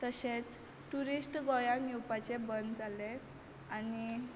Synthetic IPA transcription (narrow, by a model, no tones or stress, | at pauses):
t̪əɕet͡s | ʈuɾisʈɡɔjanjuwpat͡sebənd̪d͡zale | ani